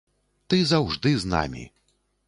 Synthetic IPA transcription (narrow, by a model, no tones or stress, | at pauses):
t̪ɨzawʐd̪ɨzna̰mʲḭ